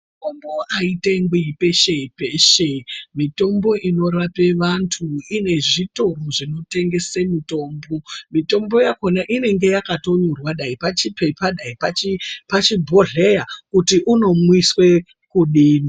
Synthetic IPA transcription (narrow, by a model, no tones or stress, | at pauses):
mutombo̞ʔaiteŋɡwiipe̞ʃeipeʃemito̞mbo̞ʔino̞rape̞ʋantʰuine̞ʐito̞roʐino̞te̞ŋɡe̞semito̞ːmbo̞mito̞mbo̞jako̞naʔine̞ŋɡe̞jakato̞ɲurwaɗaipat͡ʃipepaɗaipat͡ʃipat͡ʃibʱo̞ɮe̞jakutiʔuno̞mwiswe̞ | kuɗiːni